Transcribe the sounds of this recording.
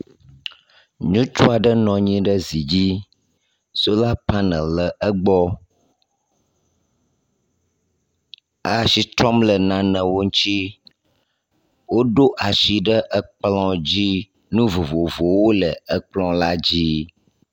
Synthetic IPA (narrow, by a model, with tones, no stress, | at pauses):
ɲũ˦t͡ʃu˦a˨ɖə˦nɔ̃˨ɲĩ˦ɖə˦zi˨d͡ʑi˦ | so˦la˦pa˦nə̰̃˨lə˨ʔə˦ɡ͡bɔ˦ | a˦˨ʃi˦t̪ɾɔ˦mlə˨nã˨nə̃˨wo˦ŋũ˦t͡ʃi˦ | wo˦ɖo˦ʔa˨ʃi˨ɖə˦ʔə˦k͡plɔ̃˦d͡ʑi˦ | nũ˦vo˨vo˨vo˨wo˦lə˨ə˦k͡plɔ̃˦la˦d͡ʑi˦